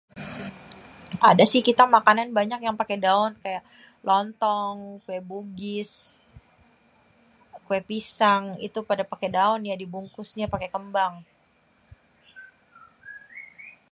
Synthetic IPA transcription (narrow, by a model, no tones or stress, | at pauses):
ʔa̰dasɪhkit̪amakananbaɲakjaŋpakedaʊnkajaʔ | lʔɔnt̪ɔŋkuɛbuɡɪs | kuɛpisaŋḭt̪upadapakedaʊnjadibuŋkʊsɲapakekəmbaŋ